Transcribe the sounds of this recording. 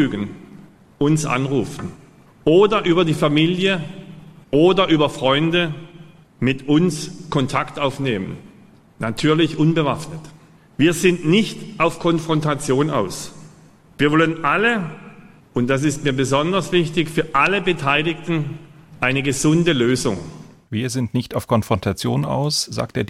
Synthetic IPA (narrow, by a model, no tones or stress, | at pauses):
yːɡən̩ | ʔʊnsʔa̰nʁuːfn̩ | ʔoːdɐʔyːbɐdiːfamiːljə | ʔoːdɐʔyːbɐfʁ̥ɔʏndə | mɪtʔʊnskʰɔntʰaktaʊfneːmən | natʰyːɐlɪçʔʊnbəvafnət | viːɐzɪntnɪçtʔaʊfkʰɔnfʁ̥ɔntat͡sjoːna̰ʊs | viːɐvɔlənʔalə | ʔʊnt̚d̥as̬ɪstmiːɐbəzɔndɐsv̥ɪçtɪçfyːɐʔaləbətʰaɪlɪktn̩ʔaɪnəɡəzʊndəløːzʊ̰ŋ | viːɐzɪntnɪçtaʊfkʰɔnfʁ̥ɔntʰat͡sjo̰ːna̰ʊsz̥a̰ːk̚teːɐ